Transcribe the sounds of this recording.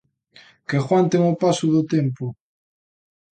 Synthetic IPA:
kexwant̪eŋopasʊðot̪empʊ

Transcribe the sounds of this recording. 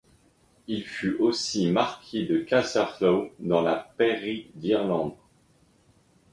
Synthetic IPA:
ilfyʔosimaʁkʲʰed̪əkasaʁflod̪ɑ̃lapeʁid̪iʁlɑ̃d̪

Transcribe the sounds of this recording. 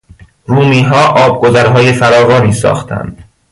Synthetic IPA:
ruːmiːɦɒːʔɒːb̚ɡo̞zæɾɦɒːjefæɾɒːɣɒːniːsɒ̰ːxt̪ʰæ̰nd̪̥

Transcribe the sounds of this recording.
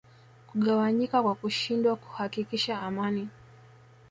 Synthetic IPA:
kuɠawaɲikakwakuʃindwaku̥hakikiʃaːmani

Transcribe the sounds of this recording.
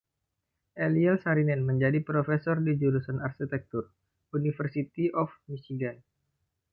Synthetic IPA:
ʔɛliɛlsaɾinɛnməɲd͡ʒadipɾofɛsɔrdid͡ʒulusanarkit̪ɛk̚t̪ur | unifərsit̪iʔɔfmisiɡan

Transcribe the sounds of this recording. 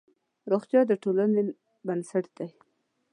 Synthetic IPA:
ɾoxt̪jɑd̪əʈolane | bənsaʈd̪̥aj

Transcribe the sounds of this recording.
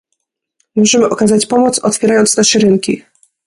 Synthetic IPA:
mɔʐɛmɘʔɔkazat͡ɕpɔmɔt̪sɔt̪fʲjɛɾajɔnt̪snaʂɛɾɘŋkʲḭ

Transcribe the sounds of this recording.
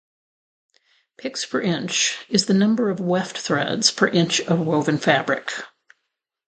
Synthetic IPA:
pʰɪkspʰə˞ʔɪ̃nt͡ʃɨzðɨnʌ̃mbə˞ʌvwɛftθɹɛ̰dz̥pʰə˞ʔɪ̃nt͡ʃʌvɹoʊvɨ̃nfæbɹɨ̰k

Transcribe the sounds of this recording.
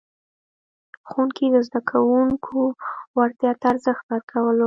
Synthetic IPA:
xunked̪əzd̪akʰawuŋkʰowaɾt̪jɑt̪aːɾzəxt̪̚baɾkʰawəlo

